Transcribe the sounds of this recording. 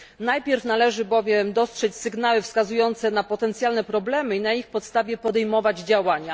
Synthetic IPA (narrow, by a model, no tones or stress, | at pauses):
najpʲjɛɾfnalɛʐɘbɔvʲjɛmd̪ɔstʂɛt͡ɕsɘɡnawɘfskazujɔnt̪sɛnapɔt̪ɛnt̪sjalnɛpɾɔblɛmɘinaixpɔt̪st̪avʲjɛpɔd̪ɛjmɔvad͡ʑd͡ʑawaɲa